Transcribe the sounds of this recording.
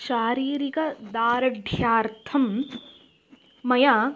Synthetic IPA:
ʃaːɾiːɾikɐd̪aːɾɐɖʱjaːɾt̪ʰɐm | ɐja

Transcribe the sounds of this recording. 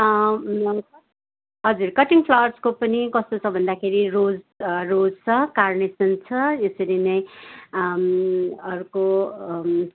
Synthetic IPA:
ɦʌd͡zurkʌʈiŋpʰlʌwʌrskopʌnikʌst̪ot͡sʰʌbʱʌnd̪akʰeɾirod͡zrod͡zt͡sʰʌkarnesʌnt͡sʰʌesʌɾinʌj | ʌɾuko

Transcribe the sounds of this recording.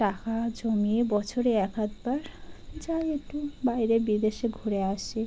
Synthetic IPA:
ʈakad͡ʑomiebɔt͡ɕʰoɾeɛkat̪baɾd͡ʑajek̚ʈubajɾebid̪eʃeɡʱoɾeaʃe

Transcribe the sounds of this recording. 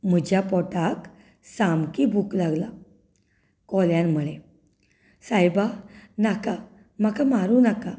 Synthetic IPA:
m̤əd͡ʑjapɔʈak | samkibʱuklaɡla | kɔljãnməɭe | sajbanaka | makamaɾunaka

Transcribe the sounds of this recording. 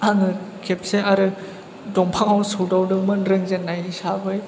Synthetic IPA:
aŋɯkʰep̚seaɾɯ | dɔŋpʰaŋawsudawdɯŋmɯnɾɯŋzenːajisabɯj

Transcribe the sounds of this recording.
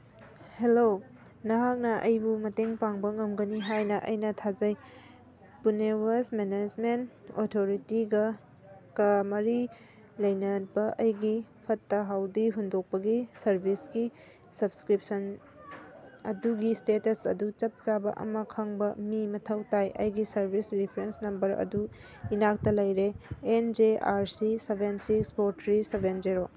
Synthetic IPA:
helo | nɐɦak̚nɐʔɐjbumɐteŋpaŋbɐŋɐmɡɐniɦajnɐʔɐ̰jnɐtʰazɐj | punewasmened͡ʒmenotʰoɾitiɡɐ | kɐmɐɾi | lɐjnɐbɐʔɐjɡipʰɐtːɐɦawdiɦundok̚pɐɡisɐɾbʱisɡi | sɐbskɾip̚sɐn | ɐ̰duɡistetɐsɐ̰dut͡ʃɐp̚t͡ʃabɐ̰ʔɐ̰mɐkʰɐŋbɐmimɐtʰɐwtajʔɐ̰jɡisɐɾbʱisɾipʰɐɾensnɐmbɐɾɐ̰du | inak̚tɐlɐjɾeːnd͡ʒeaɾsisebʱensikspoɾtɾisebend͡ʒeɾo

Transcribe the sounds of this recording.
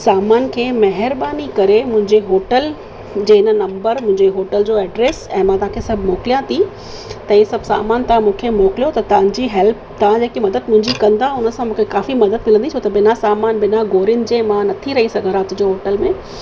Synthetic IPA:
saːmaːnkʰeːmɐɦɪɾɓaːnikɐɾemʊ̃ɦɪ̃ɲd͡ʑeɦoːʈəl | d͡ʑeːɪnənɐ̃mbəɾmʊ̃ɦɪ̃ɲd͡ʑeɦoːʈəld͡ʑoːɛːɖɾeːsɛ̃ːmãt̪ɐʋɦãkʰesɐbʱmoːkɪlijãt̪ʰi | t̪ɐĩsɐbʱsa̰ːmaːnt̪ɐãmũːkʰemoːkɪlijot̪ɐt̪ɐʋ̤ãɲd͡ʑiɦɛlp̚t̪ɐãd͡ʑeːkimɐd̪əd̪̚mʊ̃ɦɪ̃ɲd͡ʑikɐ̃nd̪aʊnə̆sãmũːkʰekaːfimɐd̪əd̪̚mɪlə̃nd̪it͡ɕʰoːt̪ɐbɪnasaːmaːnbɪnaɡoːɾɪjʊnɪ̆d͡ʑeːmãnɐt̪ʰiɾɐɦisɐɡʱə̃ɾãt̪ʊ̃d͡ʑoɦoːʈəlmẽː

